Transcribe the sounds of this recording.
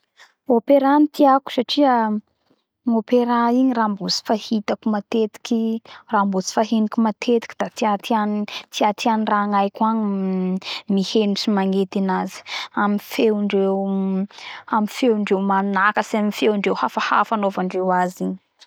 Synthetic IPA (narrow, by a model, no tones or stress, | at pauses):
opeɾanit̪ʰiaku̥saʈ͡ʂiə | ŋopeɾaiɲirambut͡si̥fahit̪akumat̪et̪i̥kirambot͡si̥faɦenikumat̪ʰet̪i̥kʲid̪̥at̪iat̪iant̪iat̪ʰianiraŋajkaɲ | miheniʈ͡ʂimaŋet̪inazi̥amifewɳɖ͡ʐew | amifewɳɖ͡ʐewmanunakəsiamifewɳɖ͡ʐewhafaha̰fanovaɳɖ͡ʐewaziɲ